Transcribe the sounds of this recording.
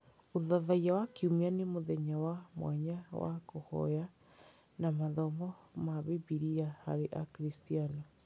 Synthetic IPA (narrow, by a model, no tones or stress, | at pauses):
oðaðajawakeumianemoðɛɲawamwa̰ɲawa̰kohɔ̰ja | namaðɔmɔmaβeβiɾiaha̰ɾeʔakɾistianɔ